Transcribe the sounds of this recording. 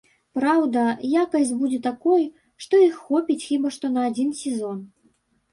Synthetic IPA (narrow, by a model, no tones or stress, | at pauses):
pɾawd̪ɐjakɐsʲd͡zʲbud͡zʲɛt̪akɔj | ʂt̪ɔixːɔpʲit͡sʲxʲibaʂt̪ɔnɐːd͡zʲinsʲɛzɔn